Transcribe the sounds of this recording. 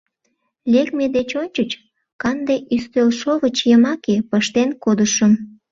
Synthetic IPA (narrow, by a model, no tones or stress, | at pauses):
lʲekmed̪et͡ɕonʲt͡ɕət͡ɕ | kɑnd̪eʔyst̪ølʃoβət͡ɕjəmɑkepəʃt̪enkod̪əʃəm